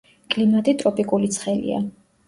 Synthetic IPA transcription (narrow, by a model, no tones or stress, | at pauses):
kʼlimat̪ʼit̪ʼɾɔpʼikʼulit̪sʰχɛlḭa̰